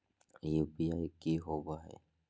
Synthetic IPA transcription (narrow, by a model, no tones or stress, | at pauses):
jebijaːkiɦobaɦɛ̰